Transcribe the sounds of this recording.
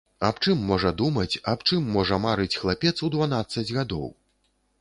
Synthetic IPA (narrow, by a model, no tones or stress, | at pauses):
apt͡ʂɨmːɔʐɐd̪umɐt͡sʲapt͡ʂɨmːɔʐɐmaɾɨt͡sʲxlˠapʲɛt̪sud̪vanat̪sːɐd͡zʲɣad̪ɔ̰w